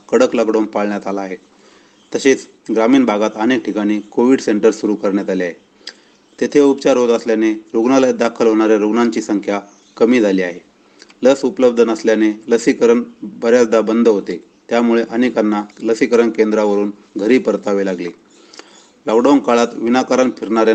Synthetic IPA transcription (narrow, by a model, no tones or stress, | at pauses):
kəɽəkləɡɖownpaɭɳjat̪alaːɦe | t̪əɕet͡s | ɡɾamiːnbʱaɡat̪ənek̚ʈʰikaɽ̃iːkoʋiɽseɳʈəɾsuɾukəɾɳjat̪aliaɦe | t̪et̪ʰeupt͡ɕaɾɦot̪əsljaneɾoɡnalajd̪akʰəlɦoɽ̃aɾeɾoɡnaɲt͡ɕiːsəŋkʰja | kəmiːd͡zʱaliːaɦe | ləsupləb̚d̪ʱənəsljaneləsikəɾəɳbəɾjad̪ʱabənd̪ʱɦot̪e | t̪jamuɭeʔənekanːaləsikəɾəɳkend̪ɾaʋəɾuːn | ɡʱəɾiːpəɾt̪aʋelaɡliː | lɔkɖawnkaɭat̪ʋinakaɾanpʰiɾɳaɾj